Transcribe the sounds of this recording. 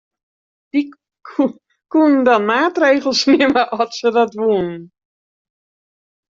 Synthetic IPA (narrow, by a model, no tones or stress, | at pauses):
d̥i | kunn̩dɔnmaːtreːɣl̩ˠsnɪməʔɔtsədɔtʋunn̩